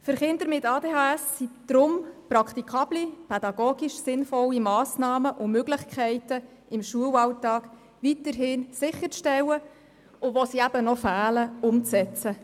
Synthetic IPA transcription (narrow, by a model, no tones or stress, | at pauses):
fəɾχɪnd̪əɾmɪtɑːdeːɦɑæsːid̪̥ɾʊmprɑkχt̪ikʰɑblipʰɛd̥̪ɑɡ̥oːɡ̥iʃsɪnfɔlːimɑːsnɑːməʔʊmøɡlɪχkʰχɛɪtə | ɪmʃuəwɑwtɑːk | ʋitəɾɦɪnsɪχəɾt͡sʃtɛwə | ʊʋɔsiæb̥ənɔfæːləʊmt͡sɛt͡sə